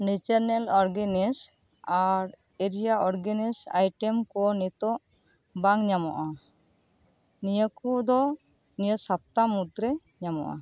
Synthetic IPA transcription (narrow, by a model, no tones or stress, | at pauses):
nit͡ʃəɾnɛlɔɾɡɛnis | aɾ | eɾijaɔɾɡenisa̰jʈɛmkɔnit̪ɔʔ | baŋɲamɔ̰ʔa | nijəkud̪ɔ | nijəsap̚t̪amud̪ɾɛ | ɲamɔ̰ʔa̰